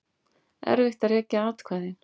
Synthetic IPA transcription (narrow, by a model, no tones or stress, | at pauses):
ɛ̰ɾvɪxt̪aɾjɛcːaaːt̪kʰvaːðɪn